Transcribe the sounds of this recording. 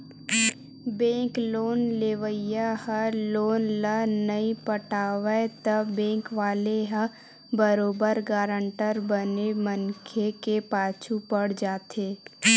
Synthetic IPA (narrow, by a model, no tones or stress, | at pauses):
bẽːkloːnleːʋəjahəloːnlənəĩpəʈaːʋet̪əbɛ̃ːŋkʋaːleɦa | bəɾoːbəɾɡaːɾə̃ɳʈəɾbənemənkʰekepaːt͡ʃʰupəɽ̤d͡ʒaːt̪eː